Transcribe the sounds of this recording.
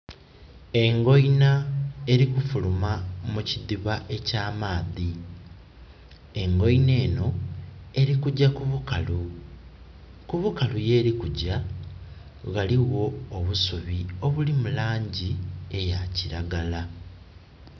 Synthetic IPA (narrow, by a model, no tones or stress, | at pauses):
e̞ŋɡo̞jnae̞ɾikufulumamuciðiβaʔe̞caːmaːði | e̞ŋɡo̞jne̞ːno̞e̞ɾikuɟakuβukalu | kuβukaluje̞ːɾikuɟa | ɣaliɣo̞ːβusuβio̞βulimulaːɲɟie̞jaciɾaɡala